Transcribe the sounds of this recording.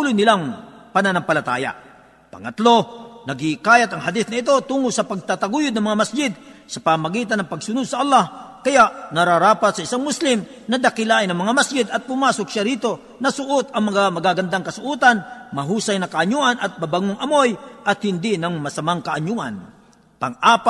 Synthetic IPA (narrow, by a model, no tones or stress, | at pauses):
ʊlʊjnɪlaŋpɐnanɐŋpɐlɐt̪a̰ːja̰ | pɐ̰ŋɐt̪lo̞nɐɡɪkaːjat̪ɐŋɦɐd̪ɪθnɐɪt̪o̞t̪uːŋʊsɐpɐɡ̚t̪at̪ɐɡujʊd̪̚nɐŋmɐŋamɐsd͡ʒɪd̪̚sɐpɐmɐɡiːt̪̬ɐnɐŋpɐɡsʊnʊd̪̚sɐʔɐlːahkɐjaʔnɐɾaɾaːpat̪̚sɐɪsaŋmʊslɪm | nɐd̪ɐkɪlaːʔɪnɐŋmɐŋamɐsd͡ʒɪd̪ɐt̪̚pʊmaːsokʃaɾiːt̪o̞ | nɐsʊʔot̪ɐŋmɐŋamɐɡaɡɐnd̪aŋkɐsʊʔuːt̪anmɐɦuːsajnɐkɐʔɐɲuʔɐnɐt̪̚mabaŋoŋɐmo̞jʔɐt̪̚hɪnd̪ɪnɐŋmɐsɐmaŋkɐʔɐɲuʔɐ̰n | pɐŋʔaːpa